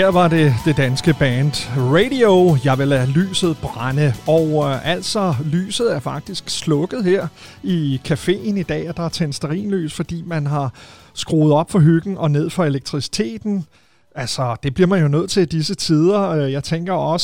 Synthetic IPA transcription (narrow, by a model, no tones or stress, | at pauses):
heɐ̰ʋɑ̈de̝d̥e̝d̥ænsɡ̥əb̥ænd̥ʁeɪɾiojɑ̈ʋe̝læly̰ːsð̞̩ˠb̥ʁɑnəɒʊʔæl̰sɒ̽ly̰ːsð̞̩ˠæɐfɑ̈ɡ̥̚d̥isɡ̥slɔ̽ɡ̥əð̞̩ˠheɐ̰ikʰæfe̝̰ːnid̥ɛ̰ːɒd̥ɑ̈æt͡sʰensd̥ɐʁḭːnly̰ːsfɒ̽d̥ḭːmænɦɑ̈ | sɡ̥ʁo̰ːð̞̩ˠɒ̽b̥fɒ̽ɦyɡ̥n̩ɒ̽ne̝ð̞̰ˠfɒ̽e̝leɡ̥̚t͡sʰʁisi̥t͡sʰe̝̰ːd̥n̩ | ælsɒ̽d̥e̝b̥liɐ̰mænjo̝nøð̰ˠt͡sʰe̝ld̥isət͡sʰiðˠɐøjɑ̈ɪt͡sʰeŋɡ̥ɐɒ̽sə